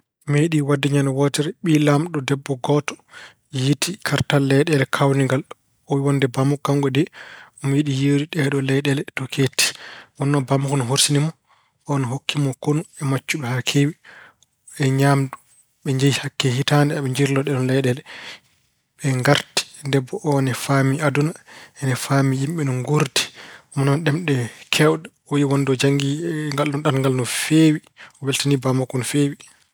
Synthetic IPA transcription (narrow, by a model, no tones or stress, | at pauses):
meɗiwadːɛɲanɔwɔtɛɾɛɓilamɗɔdɛbːɔɡɔtɔ̥ | jitikʰaɾtalːɛɗɛlɛkʰawniŋɡal | ɔwiwɔndɛbamukːaŋɡɔdɛɔmiɗijeɾiɗɛɗɔlɛɗɛlɛtɔkʰetːi̥wɔnːɔbamukɔnɔɦoɾsinimɔ | ʔɔnɔɦokːimɔkonuɛmat͡ʃːuɓɛhakʰewi | ɛɲamdu | ɓɛɲd͡ʒajihakːɛhitandɛaɓɛɲd͡ʒiɾlɔɗɛɗɔnlɛjɗɛlɛ | ɓɛŋɡaɾti̥dɛbːɔʔɔnɛfamiadunaɛnɛfamijimɓɛnɔnɡuɾdi̥ɔmɔnɔnɗɛmɗɛkʰɛwɗɛ | ɔjiwɔndɔd͡ʒaŋɡiŋɡalɗɔnɗanŋɡalnɔfewiɔwɛltanibamakunfewi